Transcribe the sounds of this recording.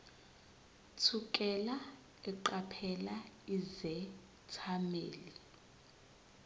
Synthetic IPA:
tʰukʼɛla | ɛǃapʰɛlaizɛ | tʰamḛːli

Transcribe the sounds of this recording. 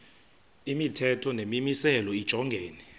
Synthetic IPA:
imitʰɛtʰɔnemimisɛlɔid̥ʒ̥ʱɔŋɡʱeːnɛ

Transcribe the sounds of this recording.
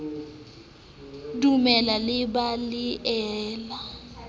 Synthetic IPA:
dumɛlalɪbalɪʔɛːla

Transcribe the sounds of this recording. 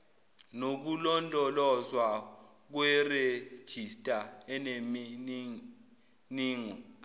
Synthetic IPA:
nok̬ulɔndʱʼɔlɔzwa | k̬wɛred̥ʒ̥ʱistʼaɛnemi | niːŋɔ

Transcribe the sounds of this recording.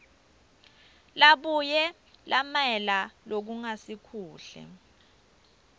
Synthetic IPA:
laɓujɛ | lamɛlalok̬uŋasikʰuːɬɛ̰

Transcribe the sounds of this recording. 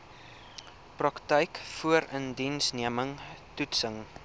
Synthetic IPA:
prɐktəjkfuəɾəndinsniəməŋtutsəŋ

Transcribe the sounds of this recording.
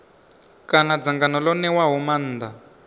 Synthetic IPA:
kanad͡zaŋɡanɔlɔnɛwaɦuman̩ːd̪a

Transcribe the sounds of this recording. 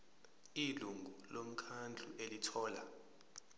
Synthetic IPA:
iluŋɡʱulom̩kʰand͡ɮʱṵʔelitʰɔːla

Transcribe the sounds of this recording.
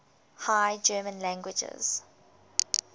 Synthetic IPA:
haɪd͡ʒɜːmə̃nlæ̃ŋɡwɪd͡ʒɪ̰z̥

